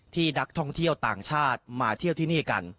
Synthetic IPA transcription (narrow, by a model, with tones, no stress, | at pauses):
t̪ʰiː˥˩da˦˥k̚t̪ʰɔ˥˩ŋt̪ʰi˥˩əwt̪aː˨˩ŋt͡ɕʰaː˥˩t̪̚maː˩˦t̪ʰi˥˩wt̪ʰiː˥˩niː˥˩ka̰˧n